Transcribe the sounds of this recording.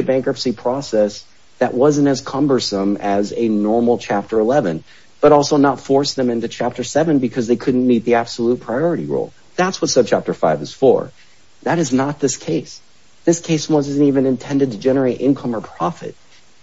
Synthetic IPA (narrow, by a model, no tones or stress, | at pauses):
ɨbæ̃ŋkɹʌpsipʰɹ̥ɔsɛs | ðɨʔwʌzɨ̃n̩tɨz̥kʰʌ̃mbə˞sə̃mɨzɨnɔɹml̩ˠt͡ʃʰæp̚tə˞əlɛvɨ̰̃n | b̥ʌɾɔlˠsoʊnətfɔɹsðɨ̃mɪ̃ntʉt͡ʃʰæp̚tə˞sɛvɨ̃nbɨkʰʌzðeɪkʰʊdⁿn̩nit̪̚ðiæb̥səlut̚pʰɹ̥aɪɔɹɨɾiɹṵlˠ | ðætswʌtsoʊt͡ʃʰæp̚tə˞faɪvɨz̥fɔ̰ɹ | ðɨɾɨznət̪̚ðɪskʰeɪs | ðɪskʰeɪswʌzn̩tivɨ̃nɨ̃ntʰɛ̃ndɨd̚tʰɨd͡ʒɛnə˞eɪɾʔɪ̰̃nkʰʌ̃mə˞pʰɹ̥ɑfɨ̰t̚